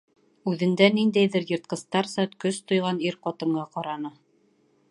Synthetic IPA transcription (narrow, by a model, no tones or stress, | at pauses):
ʉðɘ̆nd̪ænind̪æjðɘɾjɤ̆ɾt̪̚qɤ̆st̪ɑɾsɑt̪kɵst̪ŏjʁɑniɾqɒt̪ɤ̆ɴɢɑqɑɾɑnɤ